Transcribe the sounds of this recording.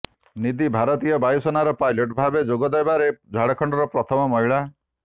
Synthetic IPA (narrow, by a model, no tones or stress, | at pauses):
nid̪ibʱaɾɔt̪ijɔbajsɔnaɾɔpajloʈbʱabed͡ʒoɡɔd̪ajbaɾed͡ʒʱaɽakʰɔɳɖɔɾɔpɾɔt̪ʰɔmɔmɔɦiɭa